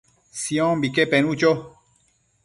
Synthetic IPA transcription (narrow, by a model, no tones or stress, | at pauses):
siɔ̃mbikepenut͡ʃo